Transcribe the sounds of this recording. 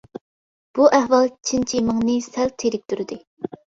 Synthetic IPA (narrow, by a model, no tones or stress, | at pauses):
b̥uʔæhwɑlˠt͡ʃʰint͡ʃʰiməŋnɨsælt̪ʰeɾɪk̚ʲt̪yɾɪd̪ɪ